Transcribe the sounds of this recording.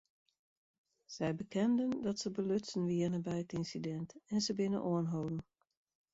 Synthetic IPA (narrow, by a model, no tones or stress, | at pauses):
z̥ɛjbəkɛndəndɑtsəbəløtsənʋiənəbɛjətɪnsidɛntɛnzəbɪnə̰ʔoənɦowdn̩